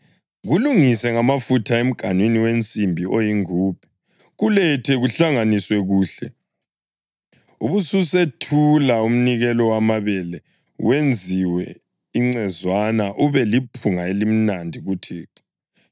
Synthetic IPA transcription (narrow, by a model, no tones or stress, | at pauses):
ɣuluŋisɛŋamafutʰaem̩ɡ̥ʱanwiniwent͡sʼimbʱiʔojiŋuːpʰɛ̥ | ɣulɛtʰɛɣuɬaŋaniswɛɣuːɬɛ̰ | uβususetʰulaum̩niɣɛlɔwamaβɛlɛ | wend͡zʱiwɛ | iŋ͡ǀɛzwanaʔuβɛlipʰuŋaelim̩nandʱiɣutʰiː